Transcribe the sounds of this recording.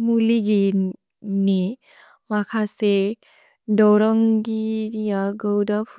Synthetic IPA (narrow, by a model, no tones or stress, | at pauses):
muliɡi | ni | makʰase | dɔɾɔŋɡiɾijaɡəwdapʰ